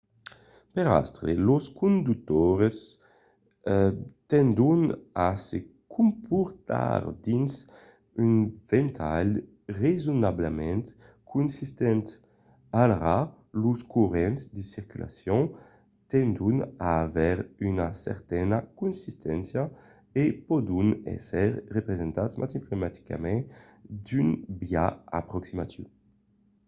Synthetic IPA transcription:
peɾa̰st̪ɾḛloskʰũnd̪uk̚t̪oɾes | t̪ɛnd̪unasekʰumpʰuɾt̪a̰ɾd̪ins | ynvent̪ʰal | rezunablemɛ̃nt̪ | kʰunsist̪ɛnt̪ | alʁa | luskuʁɛnsd̪isiʁkylʔa̰sjɔ̃ | t̪ɛ̃nd̪unaːvɛʁynasɛ̰ʁt̪ɛnakũnsist̪ʰɛ̃nsja | epɔd̪unɛ̰sɛʁʁepʁezɛ̃nt̪at̪smʔa̰tiplomat̪i̥ka̰mɛ̃ | d̪ynbjaapʁɔksimat̪ṵ

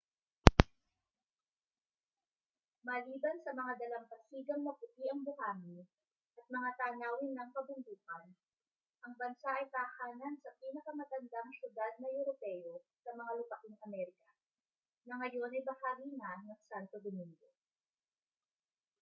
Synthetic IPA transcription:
mɐliːbɐnsɐmɐŋad̪ɐlɐŋpɐsiːɡɐŋmɐpʊt̪iʔɐŋbʊhaːmi | ʔɐt̪̚mɐŋat̪aːnaːwɪnːɐŋkɐbʊŋɡuːkɐn | ʔɐŋbɐnsaʔɐjk̪ɐɐhaːnɐnsɐpiːnɐkɐmɐt̪ɐnd̪aŋsjʊd̪ad̪̚nɐʔɛɾopɛjo̞sɐmɐŋalʊpɐkɪŋʔɐmɛɾɪkɐ | nɐŋɐjo̞nɐjbɐhaːɡinanɐŋsant̪o̞d̪omiŋɡo̞

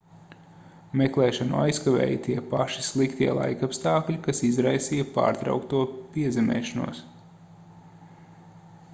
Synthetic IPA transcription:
mɛklˠɛːʃanṵa̰jskavɛ̰ːjt̪iɛpaʃi̥slˠikt̪iɛlˠa̰jkapst̪ɑːklʲikasizɾajsiːjɐpa̰ːɾt̪ɾa̰wkt̪uɔpiɛzɛmɛ̰ːʃanṵɔs

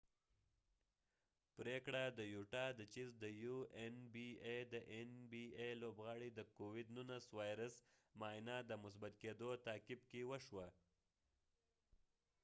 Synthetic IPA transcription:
pɾekɽad̪əjuʈɑd̪ət͡ʃizd̪əjuenbied̪əʔenbielobɣɑɽid̪əkowɪd̪nunaswɑjɾasmɑjnɑd̪əmʊs̬bat̪ked̪ot̪ɑkɪb̚kewəʃwa

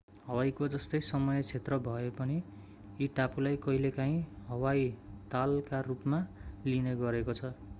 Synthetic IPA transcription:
ɦʌwajkod͡zʌst̪ʌjsʌmʌjʌt͡sʰet̪rʌbʱʌepʌni | iʈapulajkʌɦilekãɦĩɦʌwajt̪alkarupmalineɡʌɾekot͡sʰʌ

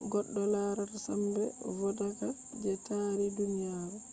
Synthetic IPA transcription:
ɡɔɗːɔlaɾatsambɛ̰wɔdaka | d͡ʒɛtaːɾidunijaːɾu

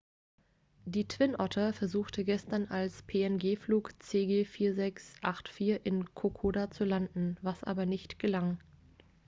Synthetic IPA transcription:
d̥iːtʰv̥ɪnʔɔtʰɐfɛɐzuːxtʰəɡɛstɐnalspʰeːɛnɡeːfluːkt͡seːɡeːfiːɐzɛksʔaχtfiːɐʔɪnkʰokʰoːdat͡sulandn̩vasʔa̰ːbɐnɪçtɡ̥əlaŋ

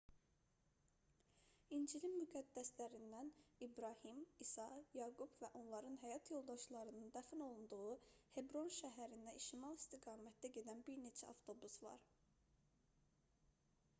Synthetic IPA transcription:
ind͡ʒilinmyɡæd̪ːæslæɾind̪ænibɾɑhimisɑjɑɡubvæʔo̞nlˠɑɾɯnɦæjɑt̪ʰjo̞lˠd̪ɑʃlˠɑɾɯnɯnd̪æfino̞lˠund̪uɣuhe̞bɾo̞nʃæɦæɾind̪æiʃimɑlˠist̪iɡɑːmæt̪̚d̪æɟe̞d̪ænbiɾne̞t͡ʃʰæɑft̪ʰo̞busvɑ̰ɾ

